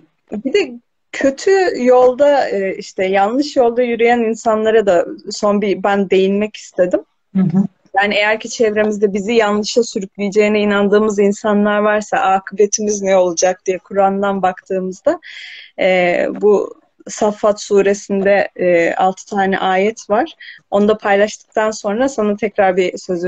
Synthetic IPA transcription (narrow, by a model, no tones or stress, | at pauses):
bid̪i | cʰø̞t̪ʰyjo̞lˠd̪aɯiʃt̪ʰɛjanlˠɯʃjo̞lˠd̪ajyɾyjæninsanlˠaɾad̪aso̞nbibænd̪e̞jinmɛci̥st̪ʰe̞d̪im | jaːniejæɾcit͡ʃʰɛvɾe̞mizd̪ɛbizijanlˠɯʃˠasyɾyclʲijd͡ʒe̞jiniːnand̪ɯːmɯzinsanlˠaɾvaɾsa̰ʔaːkʰɯbe̞t̪ʰimiznɛo̞lˠud͡ʒak̚d̪ijɛkʰuɾand̪anbakt̪ʰɯːmɯzd̪a | ɛːbu | safːat̪suːɾe̞sind̪ɛa̰lˠt̪ʰɯ̥t̪ʰaːnɛ̰ʔaːjɛt̪ʰvaɾ̥o̞nud̪apʰajlˠaʃt̪ʰɯ̥k̚t̪ʰanso̞nɾasanat̪ʰɛcɾaɾbisøz